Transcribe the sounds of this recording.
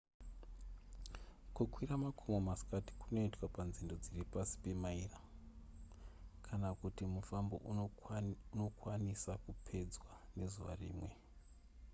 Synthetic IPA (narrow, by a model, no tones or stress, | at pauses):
kukwiramakʰomomaskati̥kuno̞itwapanzindo̞d͡ziripasi̥pe̞maira | kʰanakutimufambo̞̰ʔ | uno̞kwanisakupʰe̞d͡zwane̞zuʋa̰rḭːmwe̞